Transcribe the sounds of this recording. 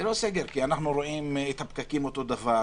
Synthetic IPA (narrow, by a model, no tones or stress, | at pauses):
eloseɡeɾkianaχnuɾo̞imet̪hapkakimo̞t̪o̞d̪ava